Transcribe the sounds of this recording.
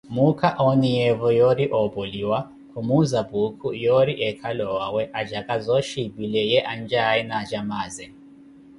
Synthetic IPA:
mukʰaʔɔnijɛvɔjɔɾiʔɔbɔliwa | kʰumuzabukʰujɔɾiʔɛkʰalɔwawɛʔad͡ʒakʼazɔʃibilɛjɛʔand͡ʒainad͡ʒamaːzɛ

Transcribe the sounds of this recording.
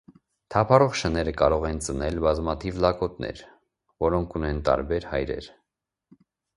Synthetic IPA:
t̪ʰɑpʰɑrɔʁʃənɛɾəkɑɾɔʁɛnt͡sənɛlbɑzmɑt̪ʰivlɑkɔt̪nɛ̰ɾ | vɔɾɔŋkʰunɛnt̪ɑ̰ɾbɛɾhɑjɾɛ̰ɾ

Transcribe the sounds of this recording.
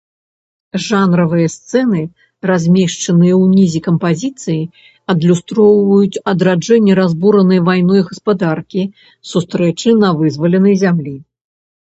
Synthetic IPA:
ʐanɾɐvɨjɐst̪sɛnɨ | razʲmʲeʂt͡ʂɐnɨjɐwnʲizʲikɐmpazʲit̪sɨji | ɐd̪lʲust̪ɾɔwvɐjut͡sʲɐd̪ɾad͡ʐɛnʲːɛɾazbuɾɐnɨjɐvajnɔjɣɐspad̪arkʲi | sust̪ɾɛt͡ʂɨnɐvɨzvɐlʲɛnɐjzʲamlʲi

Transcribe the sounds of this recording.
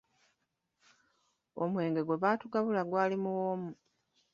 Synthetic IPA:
o̰mwe̞ːŋɡe̞ɡo̞βaːtuɡaβulaɡwaːlimuwoːmu

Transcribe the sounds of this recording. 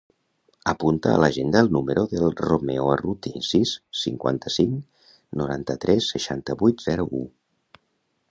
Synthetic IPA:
əpunt̪əə̰ləʒend̪əːlˠnuməɾoðəlˠromeoərut̪insissiŋkwa̰nt̪əsiŋ | nuɾant̪ət̪ɾɛsːəʃant̪əβujt̪z̥ɛɾuʔu

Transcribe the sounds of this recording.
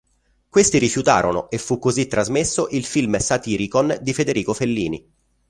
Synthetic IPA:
kwest̪iɾifjut̪a̰ːɾʔono̰ʔefːukːozit̪ːɾazmesːoʔilfilmsat̪iːɾikond̪ifed̪eɾiːkofelːḭːni

